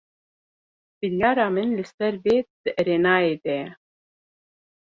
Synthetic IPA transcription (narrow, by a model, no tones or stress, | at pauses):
b̥iljɑːɾɑːmɨnlɨsɛɾveːd̪ɨʔɾeːnɑːeːd̪ɛɛ